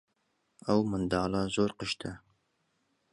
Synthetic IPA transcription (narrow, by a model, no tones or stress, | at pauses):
ɐwmɨnd̪ɑːlɑːzoːɾqəʃt̪ʰɨ